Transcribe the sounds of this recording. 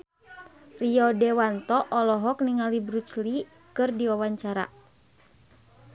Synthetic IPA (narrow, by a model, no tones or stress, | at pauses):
riɔdɛwant̪ɔʔɔlɔɦɔk̚niŋalibɾut͡ʃli | kɨrdiwawaɲt͡ʃaɾa̰